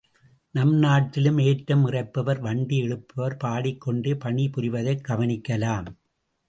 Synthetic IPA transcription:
nɐmnaːʈːɪlɯmeːʈːɐmɪrɐɪpːɐʋɐɾʋɐɳɖiɛɻɯpːɐʋɐɾpaːɽɪkːɔɳɖeːpɐɳːipʊɾɪʋɐðɐɪkɐʋɐnɪkːɐlaːm

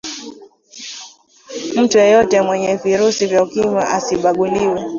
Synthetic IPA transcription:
m̩tujɔjɔtɛmwɛɲɛviɾusivjaukima̰ʔasiɓaɠuliwɛ

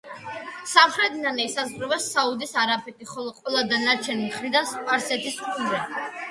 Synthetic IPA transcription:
samχɾɛd̪inanɛisazʁɾɔvɛsaud̪isaɾapʰɛt̪ʰʼiχɔlˠɔqʼwɛlˠad̪anaɾt͡ʃʰɛnimχɾid̪anspʼaɾsɛt̪ʰiskʼuɾɛ

